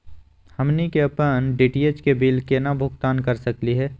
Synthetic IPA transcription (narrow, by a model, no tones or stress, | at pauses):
həmnikeəpənɖiːʈiet͡ʃkebiːlkenabʱʊɡt̪aːnkɐɾsəkliɦɛː